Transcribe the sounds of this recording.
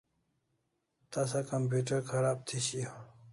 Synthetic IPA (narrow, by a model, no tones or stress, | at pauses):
t̪ɐsakɐmpjuːʈɐɾkʰɐɾaːb̚t̪ʰiɕijo